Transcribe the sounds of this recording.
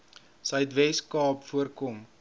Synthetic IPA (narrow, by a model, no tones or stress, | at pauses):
səɥtvɛskɑːpfuərkɔm